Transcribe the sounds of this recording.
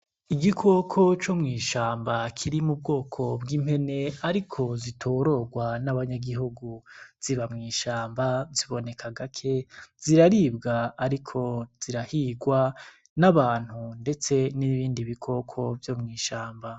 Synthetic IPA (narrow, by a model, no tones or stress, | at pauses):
iɡikʰo̞kʰo̞t͡ʃomŋiːʃaːmbakʰiɾimub̚ɡo̞ːkʰo̞bɡiːm̥he̞ne̞aɾikʰo̞zitʰoːɾo̞ɡwanaβaɲaɡiɦuɡuz̥iβamŋiːʃaːmbaziβo̞ne̞kʰaɡakʰe̞z̥iɾaɾibɡaːɾikʰo̞z̥iɾahiɡwa | naβaːn̥hunde̞t͡se̞niβiːndiβikʰo̞kʰo̞vjo̞mŋiːʃaːmba